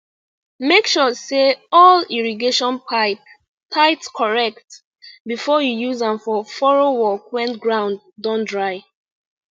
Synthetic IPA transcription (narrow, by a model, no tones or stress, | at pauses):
mekʃɔseɔliɹiɡeʃɔ̃npaɪp | pʰaɪtskʰɔɹɛk̚t | bifɔjujuzãnfɔfɔɹowɔkwɛ̃ntɡɹãʊ̃nd̚ | dɔ̃ndɹaɪ